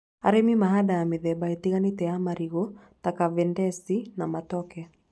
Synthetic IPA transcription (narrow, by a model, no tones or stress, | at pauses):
a̰ɾemimaɦadaameðɛbaetiɣanitɛamaɾiɣo | takavɛndɛsinamatɔkɛ